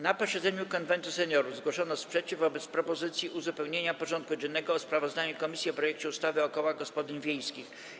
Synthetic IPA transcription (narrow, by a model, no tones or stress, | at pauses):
napɔɕɛd̪zɛɲukɔnvɛnt̪usɛɲɔɾuzɡwɔʂɔnɔspʂɛt͡ɕivɔbɛt̪spɾɔpɔzɘt̪sʲjiʔuzupɛwɲeɲapɔʐɔnt̪̚kud͡ʑɛnːɛɡɔːspɾavɔzd̪aɲukɔmʲisʲjiɔpɾɔjɛk̚t͡ɕɛust̪avɘɔkɔwaɡɔspɔd̪ɘnvʲjejskʲix